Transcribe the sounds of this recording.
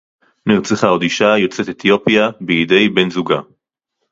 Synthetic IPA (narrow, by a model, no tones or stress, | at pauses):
niʁt͡seχaod̪iʃajo̞t͡set̪et̪jo̞pijabiid̪e̞jbenzuɡa